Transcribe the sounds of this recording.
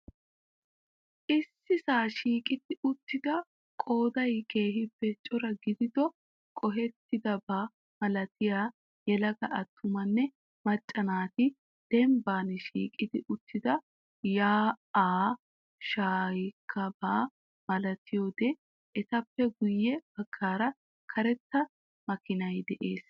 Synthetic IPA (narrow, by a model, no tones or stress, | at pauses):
ʔɪsːɪsaːʃiːkʼɪd̪ɪʊt̪ːɪd̪ɐ | kʼo̞ːd̪ɐjke̞ːɦɪpːɛt͡ʃʼɔɾɐɡɪd̪ɪd̪ɔ | kʼɔɦɛt̪ːɪd̪ɐbaː | mɐlɐt̪ɪjaː | jɛlɐɡɐʔɐt̪ʰːʊmɐnːɛ | mɐt͡ʃʼːɐnaːt̪ɪ | d̪̥ɛmbaːnɪʃḭːkʼɪd̪ɪʔʊt̪ːɪd̪ɐ | jaːaː | ʃaːjkʰːɐbaː | mɐlɐt̪ɪjoːd̪e | ʔɛt̪ɐpːɛɡʊjːɛb̥ɐkʰːaːɾɐ | kʰɐɾɛt̪ːɐ | mɐkɪnɐjd̪ɛʔe̞ːs